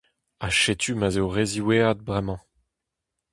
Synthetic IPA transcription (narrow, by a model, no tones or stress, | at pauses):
aʃet̪ʰymazewʁeziwead̪̚bʁɛmɑ̃